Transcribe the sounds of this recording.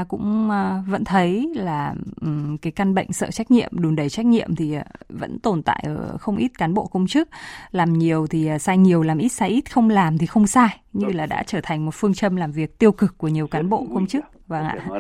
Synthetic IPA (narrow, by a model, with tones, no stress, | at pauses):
kʊ̰˧˥ŋ͡mvə̰˧˥nt̪ʰə˨˦jlaː˨˩ʔkaː˨˦jka˧nɓə̰˧˨jŋ̟sə̰ː˧˨t͡ɕa˦˥k̚ɲḭ˧˨əmɗu˨˩nɗə˨˩jt͡ɕa˦˥k̟̚ɲḭ˧˨əmt̪ʰi˨˩˨və̰˧˥nt̪o˨˩nt̪a̰ː˧˨jʔəː˧˩xə˧wŋ͡mʔi˦˥t̚kaː˨˦nɓo̰˧˨kə˧wŋ͡mt͡ɕɨ˦˥k̚laː˨˩mɲi˨˩əwt̪ʰi˨˩˨saː˧jɲi˨˩əwlaː˨˩mʔi˦˥t̚saː˧jʔi˦˥t̚xə˧wŋ͡mlaː˨˩mt̪ʰi˨˩xə˧wŋ͡msaː˧jɲɨ˧laː˨˩ɗa̰ː˧˥t͡ɕəː˧˩t̪ʰa˨˩ŋ̟mo˨˩t̚fɨ˧əŋt͡ɕə˧mlaː˨˩mvi˨˩ək̚t̪i˧əwkɨ˨˩kːu˧˩əɲ˨˩əwkaː˨˦nɓo̰˧˨kə˧wŋ͡mt͡ɕɨ˦˥k̚vaː˧˩ŋʔa̰ː˧˨